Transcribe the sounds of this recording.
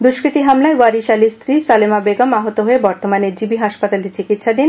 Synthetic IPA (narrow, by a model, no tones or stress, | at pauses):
d̪uʃkɾit̪iɦamlaewaɾiʃalist̪ʰɾisalemabeɡamaɦot̪oɦoebɔɾt̪omaneɾd͡ʑibiɦaʃpat̪aleɾt͡ɕikit̪ʃad̪in